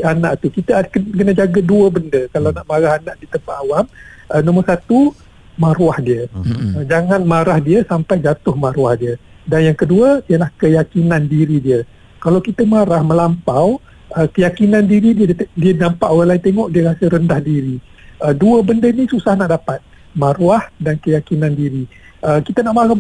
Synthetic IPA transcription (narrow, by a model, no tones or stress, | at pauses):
anaʔt̪ukit̪əkəkənad͡ʒaɡəduəbəndəkalawnaʔmaɾaɦanaʔdit̪əmpaʔ̪awam | ʔənõməsat̪u | maɾuahdiəəd͡ʒaŋanmaɾahdiəsampajd͡ʒat̪ʊhmaɾwahdiədanjaŋkəduəijəlahkəjakinandiɾidiə | kalawkit̪əmaɾahmə̃lampaw | əkəjakinãndiɾidiədiənampaʔwalaint̪eŋɔʔdiəɾasəɾəndahdiɾi | ʔəduəbəndənĩsusahnaʔdapat̪̚ | mãɾwahdankəjakinãndiɾiʔəkit̪ənaʔmaɾab